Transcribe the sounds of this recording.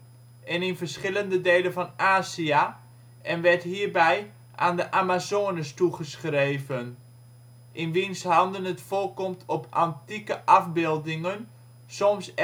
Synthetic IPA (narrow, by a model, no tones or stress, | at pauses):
ʔɛnɪnvərsχɪləndədeːlənvɔnaːzia | ʔɛnʋɛɹtɦiːrbɛj | ʔaːndəʔamazoːənəstuχəsχreːvən | ʔɪnʋinshɑndənətfoːlˠkɔmtʰɔpa̰ntikəʔɑfbɪlˠdɪŋən | sɔms